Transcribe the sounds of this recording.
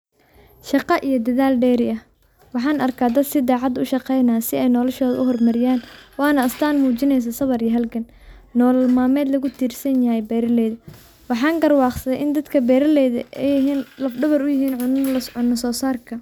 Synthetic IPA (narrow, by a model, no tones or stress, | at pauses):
ʃɑqɑʔijɞd̪ɐðaːlɖɛːɾɪɐh | wɑħɑːnɐrkʰaːd̪ɐd̪sɪd̪aːʕɑd̪ʊʃɑqɛjnaːsɪɛjnɔlɔʃɔːðɐʔʊɦɔrmɐɾɪjaːnwɑːnɐɐst̪ʰaːnmuːt͡ʃɪnɛjs̬ɐsɐβɐɾijɐɦɐlkʰɐnː | ɔːlmaːmɛːd̪lɐɣʊt̪ʰiːrsɐnjɐɦɛjbɛːɾɐlɛjðɐ | wɑħɑːŋɡɐrwɑːqsɐðɛjʔɪnd̪ɐd̪kʰɐbɛːɾɐlɛːðɐ̰ʔɛjɪɦiːnlɐfɖɐβɐɾʊjɪɦiːnʕʊnlɐʊnːɐsɔːsaːrkʰɐ